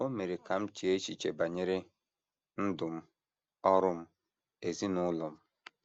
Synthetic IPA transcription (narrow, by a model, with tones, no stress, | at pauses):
o˦me˨ɾe˨ka˨m̩˦t͡ʃi˨e˦t͡ʃi˨t͡ʃe˨ba˨ɲɪ˦ɾɪ˦ | n̩˦dʊ˨m̩˦ | ɔ˦ɾʊ˦m̩˦ | e˨zi˦nʊ˦lɔ˨m̩˦